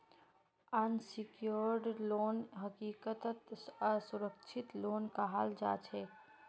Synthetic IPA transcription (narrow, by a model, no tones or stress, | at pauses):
ənsɪkjoɾɖloːnɦəkiːkət̪ət̪əsʊɾəkt͡ʃʰɪt̪loːnkaɦald͡ʒa̰ːt͡ʃʰɛ